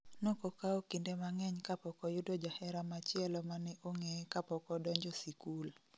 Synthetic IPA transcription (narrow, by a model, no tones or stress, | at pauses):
nokokaokindemaŋɛɲkapɔkɔjʊdod͡ʒahɛɾamat͡ʃɪɛlɔmanɛʔoŋekapɔkɔdɔɲd͡ʒɔsikul